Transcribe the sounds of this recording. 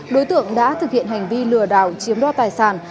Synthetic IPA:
ɗo˨˦jt̪ɨ̰˧˨əŋɗa̰ː˧˥t̪ʰɨ˨˩k̚hḭ˧˨ənha˨˩jŋ̟vi˧lɨ˨˩əɗa̰ː˧˩wt͡ɕi˨˦əmɗɔː˧t̪aː˨˩jsaː˧˩n

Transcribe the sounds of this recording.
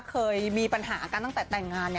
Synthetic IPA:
kʰɤː˧jmiː˧pa˧nɦaː˩˦ka˧nt̪a˥˩t̪ɛː˨˩t̪ɛ˨˩ŋːaː˧nːi˥˩

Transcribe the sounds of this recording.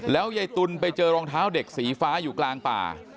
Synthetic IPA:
lɛː˦˥wja˧jt̪u˧npa˧jt͡ɕɤː˧ɾɔː˧ŋt̪ʰaː˦˥wde˨˩k̚siː˩˦faː˦˥juː˨˩klaː˧ŋpa̰ː˨˩

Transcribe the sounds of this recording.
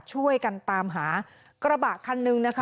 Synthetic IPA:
t͡ɕʰu˥˩əjka˧nt̪aː˧mɦaː˩˦ | kɾa˧baː˨˩t̚kʰːa˧nːɯ˧ŋna˦˥kʰ

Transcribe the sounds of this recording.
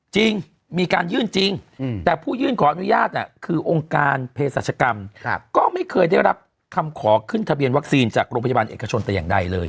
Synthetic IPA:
t͡ɕi˧ŋ | miː˧kaː˧njɯː˥˩nt͡ɕi˧ŋt̪ɛː˨˩pʰuː˥˩jɯː˥˩nkʰɔː˩˦ʔa˧nu˦˥jaː˥˩t̪̚ʔa̰˨˩kʰɯː˧ʔo˧ŋkaː˧npʰeː˧sa˨˩t͡ɕʰa˧ka˧mkɔː˥˩ma˥˩jkʰɤː˧jdaː˥˩jɾa˦˥p̚ | kʰa˧mkʰɔː˩˦kʰɯ˥˩nt̪ʰa˧bi˧ənwa˦˥k̚siː˧nt͡ɕaː˨˩k̚ɾoː˧ŋpʰa˧ja˧baː˧nʔḛː˨˩ka˧t͡ɕʰo˧nt̪ɛː˨˩jaː˨˩ŋda˧jlɤː˧j

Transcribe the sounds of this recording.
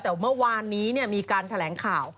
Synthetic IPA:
t̪ɛː˨˩mɯ˥˩ɐwaː˧nːiː˦˥ni˥˩əmiː˧kaː˧nt̪ʰa˧lɛː˩˦ŋkʰaː˨˩w

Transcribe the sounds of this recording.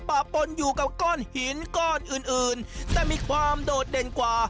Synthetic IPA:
paː˨˩pːo˧njuː˨˩ka˨˩p̚kɔː˥˩nhi˨˦nkɔː˥˩nʔɯː˨˩nʔɯː˨˩nt̪ɛː˨˩miː˧kʰwaː˧mdoː˨˩t̪̚de˨˩nkwaː˨˩

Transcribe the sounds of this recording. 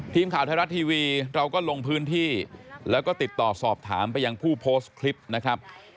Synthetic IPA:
t̪ʰiː˧mkʰaː˨˩˦w̪t̪ʰaː˧ɾa˦˥t̪ʰːiː˧wiː˧ɾa˧wkɔː˥˩lo˧ŋpʰɯː˦˥nt̪ʰiː˥˩lɛː˦˥wkɔː˥˩t̪i˨˩t̪ːɔː˨˩sɔː˨˩p̚t̪ʰa̰ː˩˦mpa˧jːa˧ŋpʰuː˥˩pʰoː˦˥skʰli˦˥p̚na˦˥kʰɾa˦˥p̚

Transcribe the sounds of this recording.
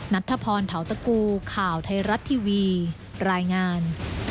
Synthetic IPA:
na˦˥t̪ʰːa˧pʰɔː˧nt̪ʰa˩˦wt̪a˧kuː˧kʰaː˨˩wt̪ʰa˧jɾa˦˥t̪ʰːiː˧wiː˧ | ɾaː˧jŋaː˧n

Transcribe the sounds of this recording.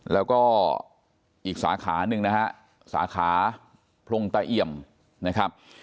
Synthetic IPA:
lɛː˦˥wkɔː˥˩ | ʔiː˨˩k̚sa̰ː˩˦kʰa̰ː˩˦nɯ˨ŋna˦˥ha˦˥ʔ | sa̰ː˩˦kʰaː˩˦ | pʰlo˧ŋt̪aː˧˩ʔi˧˩əm | na˦˥kʰɾa˦˥p̚

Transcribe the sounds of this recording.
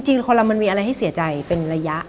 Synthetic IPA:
ŋt͡ɕi˧ŋ˧kʰɔ˧la˧ma˧nmiː˧ʔa˧ɾa˧jɦa˥˩jsi˨˩˦ɐt͡ɕa˧jpe˧nɾa˧ja˦˥ʔ

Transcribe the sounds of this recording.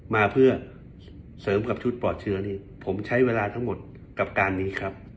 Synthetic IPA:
maː˧pʰɯ˥˩ɐ | sɤː˩˦mka˨˩p̚t͡ɕʰu˦˥t̪̚pɔː˨˩t̪̚t͡ɕʰɯ˦˥ɐniː˥˩ | pʰo˩˦mt͡ɕʰa˦˥jweː˧laː˧t̪ʰa˦˥ŋmo˨˩t̪̚ | ka˨˩p̚kaː˧nːiː˦˥kʰɾa˦˥p̚

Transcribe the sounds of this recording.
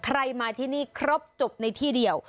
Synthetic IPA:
kʰɾa˧jmaː˧t̪ʰiː˥˩niː˥˩kʰɾo˦˥p̚t͡ɕo˨˩p̚na˧jt̪ʰiː˥˩di˧əw

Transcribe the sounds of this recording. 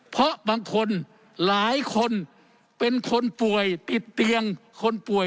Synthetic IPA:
pʰɔ˦ʔbaː˧ŋkʰo˧˥n | laː˨˦jkʰo˧˥n | pe˧nkʰo˧˥npu˨˩əjt̪i˨˩t̪ːi˧əŋkʰo˧˥npu˨˩əj

